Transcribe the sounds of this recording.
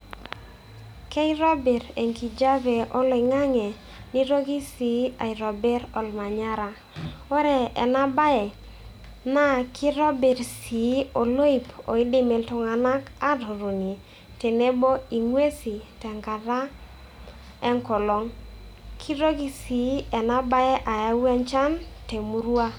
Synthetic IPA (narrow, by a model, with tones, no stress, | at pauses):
kɛ˦i˦ɾɔ˦be˨ɾe˨ŋki˨d͡ʒa˦ve˨ɔ˦lo˨i˨ŋa˦ŋe˨ | ni˦ɾo˦ɡi˦si˨˦a˨i˨ɾɔ˨bɛ˦ɾɔ˨lma˨ɲa˦ɾa˨ | o˦ɾɛ˨ɛ˨na˦ba˦ɛ˨ | na˦kʰi˦ɾɔ˦be˨ɾsi˨˦o˨lo˦i˨po̰˨i˦dɪ˦me˨ltʊ˨ŋa˨na˦ka˦do˨ɾo˨ni˨ | te˨ne˦bo˦i˨ŋwe˦si˨tɛ˨ŋɡa˨ɾa˦ | ɛ˦ŋkɔ˨lɔ˨˦ŋkʰi˦ɾo˦ɡi˨si˨˦ɛ˨na˦ba˦ɛ˦ʔa˨ja˦wɛ˦nt͡ʃa˦nte˨mu˦ɾu˦a˦